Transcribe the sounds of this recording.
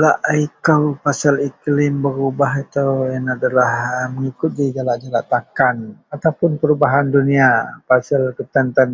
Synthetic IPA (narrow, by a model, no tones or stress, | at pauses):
laʔaikawpasaliklɪmbəɾubaɦit̪ajaŋadalahməŋikʊt̪̚did͡ʒalaʔd͡ʒalaʔt̪akanat̪awpʊnpəɾubaɦanduniapasalkət̪ənt̪ən